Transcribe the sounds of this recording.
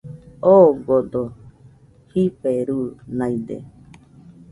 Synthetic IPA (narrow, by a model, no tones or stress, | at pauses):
oɡod̪o | hipeɾuːnãid̪ḛ